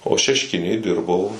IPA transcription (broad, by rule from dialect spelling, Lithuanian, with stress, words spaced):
oː ʃʲɛʃʲˈkʲɪnʲeːj ˈdʲɪrbɐʊ